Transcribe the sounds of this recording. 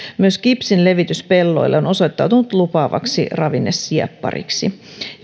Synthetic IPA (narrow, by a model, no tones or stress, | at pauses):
myøskipsinle̞ʋit̪yspelːo̞̰ilːʔeono̞sojt̪ːɑwt̪unut̪lupɑːʋɑ̰ksḭrɑʋinːesːiɑ̰pːɑ̰rḭksi